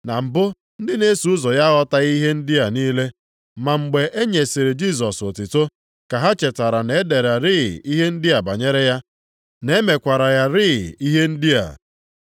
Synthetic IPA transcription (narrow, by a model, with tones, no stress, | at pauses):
na˨m̩˨bʊ˦ | n̩˦dɪ˦ne˦su˨ʊ˦zɔ˨ja˦ɣɔ˦ta˦ɣi˦ɦe˦n̩˦dɪ˦a˨niː˦le˦ | ma˨ŋ͡m̩˨ɡ͡be˨ʔe˦ɲe˨si˨ɾe˨d͡ʒi˦˨s̬ɔ˨so˨tɪ˨to˦ | ka˨ɦa˦t͡ʃe˨ta˨ɾa˨ne˨˦de˨ɾa˨ɾɪ˦˨i˦ɦe˦n̩˦dɪ˦a˨ba˨ɲe˦ɾe˦ja˦ | ne˨˦me˨kʷa˨ɾa˨ja˦ɾɪ˦˨i˦ɦe˦n̩˦dɪ˦a̰˨